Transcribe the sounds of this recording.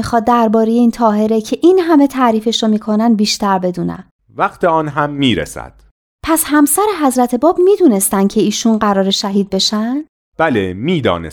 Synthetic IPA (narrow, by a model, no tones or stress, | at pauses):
ixɒːd̪̚ːæɾbɒːɾejeiːnt̪ʰɒːɦe̞ɾe̞cʰe̞ʔiːnɦæme̞t̪ʰæːɾiːfe̞ʃɾomiːkʰo̞nænd̪̚biːʃt̪æɾbe̞d̪uːnæ̰m | væχt̪ʰeɒːnɦæmːiːɾḛsæ̰d̪̥ | pʰæshæmsæɾe̞ɦæzɾæt̪ʰe̞bɒːbmiːd̪uːne̞st̪ænd̪̚cʰe̞iːʃunɢæɾɒːɾeʃæɦiːd̪̚be̞ʃænd̪̥ | b̥ælemiːd̪ɒ̰ːne